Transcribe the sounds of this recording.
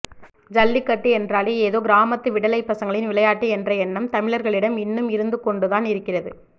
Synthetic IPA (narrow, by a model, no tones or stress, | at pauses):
d͡ʒɐlːɪkːɐʈːiɛndraːleeːðoːɡɪɾaːmɐt̪ːɯʋɪɽɐlɐɪpːɐsɐŋɡɐɭɪnʋɪlɐjaːʈːiɛndrɐɛnːɐmt̪ɐmɪɭɐɾɣɐɭɪɽɐmɪnːɯmɪɾɯnd̪ɯkɔɳɖɯðaːnɪɾɯkːɪrɐðɯ̰